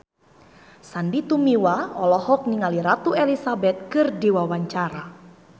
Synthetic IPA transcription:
sandit̪umiwaɔlɔhɔk̚niŋaliɾat̪uelisabɛt̪̚kɨrdiwawaɲt͡ʃaɾa

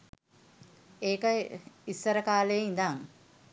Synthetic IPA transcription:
eːkəisəɾəkaːlejind̪aŋ

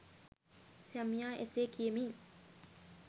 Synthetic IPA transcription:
samiaʔḛsekʰiemi

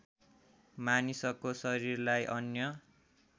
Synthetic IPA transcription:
manisʌkosʌɾirlajʔʌnjʌ

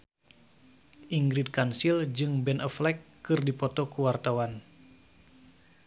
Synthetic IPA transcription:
ʔiŋɡɾid̪̚kansild͡ʒɨŋbɛnʔəflɛkːɨrdipɔt̪ɔkuwart̪awan

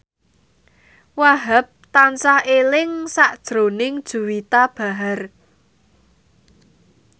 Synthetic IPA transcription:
waɦəp̚t̪ansahelɪŋsaʔd̥ʒ̥ɾo̤nɪŋd̥ʒ̥ṳwit̪ab̥a̤ɦar

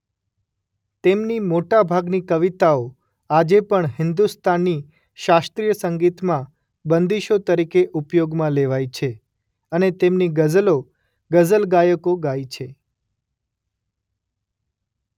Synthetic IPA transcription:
t̪emnimoʈabʱaɡnikəʋit̪ao | ad͡ʒepəɳɦɪnd̪ust̪ʰanːi | ʃast̪ɾijəsəŋɡit̪mã | bənd̪iʃot̪əɾikeʔupjoɡmãleʋajt͡ʃʰe | ənet̪emniɡəzlo | ɡəzəlɡajəkoɡait͡ʃʰe

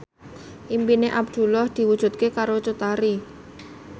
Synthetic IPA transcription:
ʔimpineʔab̚d̪̥ṳlɔhd̪̥i̤wud̥ʒ̥ṳt̪̚kekaɾot͡ʃut̪aɾi

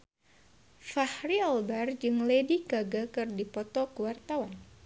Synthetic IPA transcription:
fahɾiɔlbard͡ʒɨŋlediɡaɡakɨrdipɔt̪ɔkəwart̪awan

